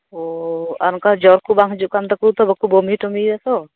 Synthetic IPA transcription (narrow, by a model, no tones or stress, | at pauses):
ɔankad͡ʒɔɾkubaŋɦud͡ʒuʔkamt̪akut̪ɔbɔkubɔmitɔmiasɔ